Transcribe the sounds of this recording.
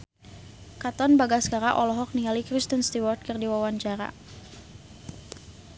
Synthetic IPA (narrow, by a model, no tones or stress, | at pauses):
kat̪ɔnbaɡaskaɾaʔɔlɔɦɔk̚niŋalikɾist̪ənst̪iwɔrt̪̚kərdiwawaɲt͡ʃaɾa̰